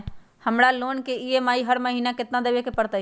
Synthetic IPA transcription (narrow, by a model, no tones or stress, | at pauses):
həmɽaloːnkeiemaːiɦəɾməɦiːnakɪt̪nãd̪eːʋekepəɽt̪a